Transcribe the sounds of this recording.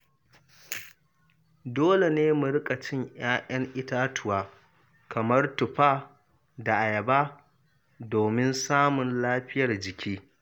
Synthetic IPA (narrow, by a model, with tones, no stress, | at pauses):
doː˦le˨neː˦mʊ˨ɾɪ˦kʼa˨t͡ʃɪ˦ɲj̰aː˦ʔɐ˦ŋʔɪ˦taː˦tʊ˨waː˦ | kɐ˨mɐ˦rtʊ˨ɸaː˦ | da˨ʔa˨jɐ˨baː˦ | doː˨mɪ˦nsaː˦mʊ˨nlaː˦ɸɪ˦jɐ˨rd͡ʒɪ˨kʲiː˦